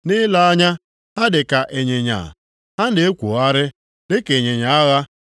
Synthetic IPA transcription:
nɪ˦la˦a˦ɲa˦ | ha˦dɪ˨ka˨ʔe˨ɲe˨ɲa̰˨ | ha˦nɪ˨e˦kʷo̰˨˦a˦ɾɪ˦ | de˦ke˨ɲe˨ɲa˨a˦ɣa˦

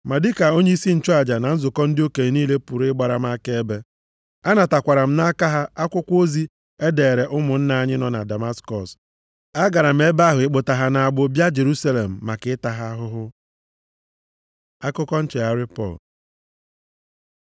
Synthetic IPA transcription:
ma˨dɪ˦ka˨o˦ɲe˦i˦si˦n̩˨t͡ʃʊ˦a˨d͡ʒa˨na˨n̩˦zʊ˨kɔ˦n̩˦dɪ˦o˦ke˨niː˦le˦pu˨ɾɪ˦ɡ͡ba˦ɾa˨m̩˦a˦ke˦e˦be˦ | a˦na˨ta˨kʷa˨ɾa˨m̩˦na˦ka˦ɦa˦ʔa˦kʷʊ˦kʷo˦zi˦ | e˦deː˨ɾe˨ʔʊ˦mʊ˨n̩˦na˦a˦ɲɪ˦nɔ˨na̰˨da˨ma˦skɔ˨s | a˦ɡa˨ɾa˨m̩˦e˦ba˦ɦʊ˨ɪ˦k͡pʊ˨ta˨ɦa˨na˨a˨ɡ͡bʊ˦bja˦d͡ʒe˨ɾu˦sa˦le˨m̩ː˨a˨kɪ˨˦ɪ˦ta˨ɦa˦ɦʊ˦ɦʊ˦ | a˦kʊ˦kɔ˦n̩˦t͡ʃe˨a˦ɾɪ˦pɔ̰˦˨l

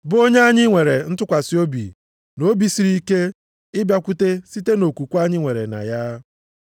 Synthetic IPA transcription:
bʊ˨˦o˦ɲe˦a˦ɲɪ˦ŋʷe˨ɾe˨n̩˦tʊ˦kʷa˨sɪ˦o˦bḭ˨ | no˦bi˨si˨ɾi˦ke˦ | ɪ˦bja˦kʷu˦te˦si˦te˦no˨kʷu˨kʷa˦ɲɪ˦ŋʷe˨ɾḛ˨na̰˨ja˦

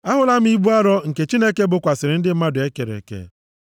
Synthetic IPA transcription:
a˦ɦʊ˦la˦m̩˦i˦bu˦a˦ɾɔ˦ŋ̩˨ke˨t͡ʃi˦ne˦ke˦bʊ˨kʷa˨sɪ˨ɾɪ˨n̩˦dɪ˦m̩˦ma˦dʊ˨e˦ke˨ɾḛ˨kḛ˨

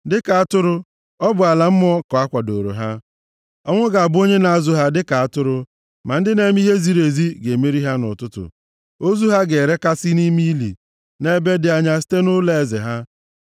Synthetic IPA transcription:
dɪ˦ka˨a˦˨tʊ˦ɾʊ˦ | ɔ˦bʊ˨a˨la˨m̩˦m˦ɔ˦kɔ˨a˦kʷa˨do˨ɾo̰˨ɦa˦ | ɔ˦ŋʷʊ˦ɡa˨a˨bʊ˦o˦ɲe˦na˨a˦˨zʊ˦ɦa˦dɪ˦ka˨a˦tʊ˦ɾʊ˦ | ma˨n̩˦dɪ˦ne˦m˦i˦ɦe˦zi˨ɾe˨zi˦ɡe˨me˦ɾi˦ɦa˦nʊ̰˨tʊ˦tʊ̰˨ | o˦zu˦ɦa˦ɡe˨ɾe˦ka˦sɪ˦ni˦mi˦lḭ˨ | ne˦be˦dɪ˨a˦ɲa˦si̥˦te˦nʊ˦le˦e˨zḛ˨ɦa˦

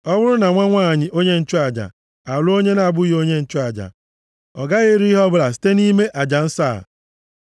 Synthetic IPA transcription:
ɔ˦wʊ˦ɾʊ˦na˨ŋʷa˦ŋʷaː˦˨ɲɪ˨ʔo˦ɲe˦n̩˦t͡ʃʊ˦a˨d͡ʒa̰˨ | a˨lo˦ɲe˦na˨bʊ˦jo˦ɲe˦n̩˦t͡ʃʊ˦a˨d͡ʒa̰˨ | ɔ˨ɡa˦ɣe˦ɾi˦i˦ɦɔ˦bʊ˦la˨s̬i̥˦te˦ni˦me˦ʔa˨d͡ʒa˨n̩˦sa̰ː˦˨

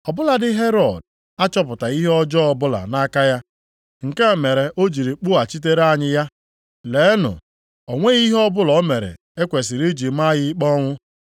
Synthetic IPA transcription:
ɔ˨bʊ˦la˨dɪ˦ɦe˦ɾɔ˨d̚ | a˦t͡ʃɔ˦pʊ˨ta˨i˦ɦe˦ɔ˦d͡ʒɔ˦ɔ˨bʊ˦la̰˨na˦ka˦ja˦ | ŋ̩˨ke˦˨me˨ɾe˨ʔo˦d͡ʒi˨ɾi˨k͡pʊ˦a˨t͡ʃi˦t̬e˦ɾa˦˨ɲɪ˦ja˦ | le˨˦nʊ̰˨ | o˨ŋʷe˦ɣi˦ɦɔ˦bʊ˦lɔ˨˦me˨ɾḛ˨ | e˦kʷe˨si˨ɾi˦d͡ʒi˨˦m̩˦a˦ɣɪ˦k͡pɔ˦ŋʷʊ˦

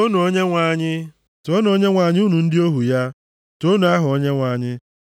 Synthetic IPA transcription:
o˦nu˨o˦ɲe˦ŋʷa˨ɲɪ˦ | to˦nu˨o˦ɲe˦ŋʷa˨ɲɪ˦u˦nu˨n̩˦dɪ˦o˦ɦu˨ja˦ | to˦nu˨a˦ɦʊ˨o˦ɲe˦ŋʷa˨ɲɪ˦

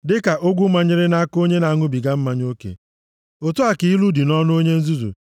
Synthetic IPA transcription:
dɪ˦ka˨ʔo˦ɡʷu˦ma˨ɲɪ˦ɾɪ˦na˦ko˦ɲe˦na˨ŋʊ˦bi˨ɡa˦m̩˦ma˦ɲ˦o˦kḛ˨ | o˨tu˦a˨ki˦i˦lu˦di˨nɔ˦nʊ˦o˦ɲe˦n̩˦zu˦zṵ˨

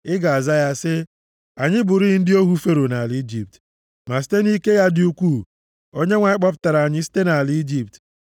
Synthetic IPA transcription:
ɪ˦ɡa˨a˨za˦ja˦sɪ˦ | a˨ɲɪ˦bʊ˨ɾi˦ɪ˦n̩˦dɪ˦o˦ɦu˦fe˦ɾo˨na˨li˦d͡ʒi˨p̚t | ma˨s̬i̥˦te˦ni˦ke˦ja˦dɪ˦u˦kʷu˦˨ | o˦ɲe˦ŋʷa˨˦ɪ˦k͡pɔ˦p̬ʊ̥˦ta˨ɾa˨ɲɪ˦si̥˦te˦na˨li˦i˦d͡ʒi˨p̚t

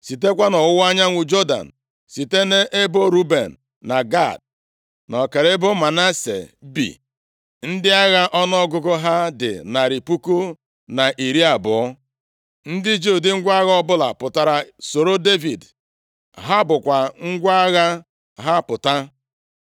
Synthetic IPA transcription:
si˨te˦kʷa˦nɔ˨ʊ˦wa˦ɲa˦ŋʷʊ˦d͡ʒo˦da̰˨n̩˨ | si˨te˦ne˦ʔe˦bo˦ɾu˦be˨n̩ː˨ | a˨ɡa˦˨d̚ | nɔ˨ke˨ɾe˦bo˦ma˨na˦sḛ˨bḭ˨ | n̩˦dɪ˦a˦ɣa˦ʔɔ˦nɔ˦ɡʊ˦ɡʊ˦ɦa˦dɪ̰˨na˨ɾi˨pu˦ku˦ | na˨ʔi˨ɾi˦a˨bʊ˨ɔ˦ | n̩˦dɪ˦d͡ʒu˦˨dɪ˦ŋ̩˦ɡʷa˦ɣa˦ɔ˦bʊ˦la̰˨pʊ˨ta˨ɾa˨so˨ɾo˦de˦vi˨d | ɦa˦bʊ˨kʷa˨ŋ̩˦ɡʷa˦ɣa˦ | ɦa˦pʊ˨ta˦

